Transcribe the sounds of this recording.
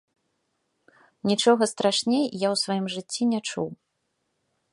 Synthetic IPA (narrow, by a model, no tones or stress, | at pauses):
nʲit͡ʂɔɣɐst̪ɾaʂnʲejjawsvajimʐɨt͡sʲːinʲat͡ʂṵw